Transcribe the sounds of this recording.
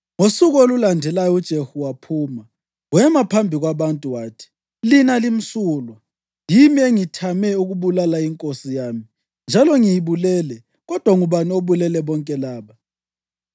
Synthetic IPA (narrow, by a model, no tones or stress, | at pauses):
ŋosuɣolulandʱɛlajɔud̥ʒ̥ʱehuwapʰuːma | ɣwɛmapʰambʱiɣwaβantʼuwaːtʰi̥ | linalim̩suːlwa | jimieŋitʰamɛuɣuβulalaiŋkʼosijaːmi | nd͡ʒʱalɔŋijiβulɛːlɛ | ɣɔd̥ʱwaŋuβanioβulɛlɛβɔŋkʼɛlaːβa